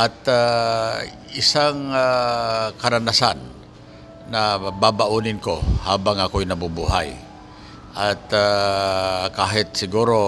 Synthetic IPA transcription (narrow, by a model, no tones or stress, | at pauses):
ʔat̪a | ɪsaŋa | kɐɾanasanː | ɐbabaʔunɪnkohaːbaŋʔakojnɐbubuɦaj | ʔat̪a | kaːɦɪt̪̚sɪɡuːɾo